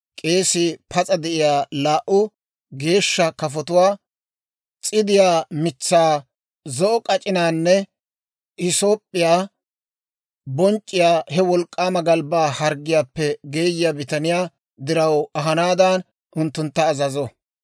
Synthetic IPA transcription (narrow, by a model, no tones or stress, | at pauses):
kʼe̞ːsɪpʰɐt͡sʼɐd̪ɛʔɪjaːlaːʔʊ | ɡe̞ːʃːɐkɐfɔt̪ʊwaː | t͡sʼɪd̪ɪjaːmɪt͡sːaː | zɔʔɔkʼɐt͡ʃʼɪnaːnːɛ | ɪso̞ːpʼːɪjaː | bɔnt͡ʃʼːɪjaːhɛwɔlkʼːaːmɐɡɐlbaːhɐɾɡːɪjaːpːɛɡe̞ːjɪjaːbɪt̪ɐnɪjaː | d̪ɪɾɐwɐɦɐnaːd̪ɐn | ʔʊnt̪ːʊnt̪ːɐːzɐzɔ